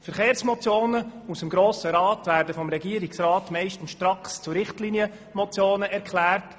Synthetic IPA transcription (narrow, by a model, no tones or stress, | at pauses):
fəɾχeːɾsmɔt͡sjoːnəusəmɡɾoːsəɾɑːtvæːɾdəfɔmɾɛɡiəɾiksrɑːtmɛɪʃtən̩sʃtɾɑkst͡suɾɪχtliːniə | mɔt͡sjoːnəʔɛɾkχlæːrt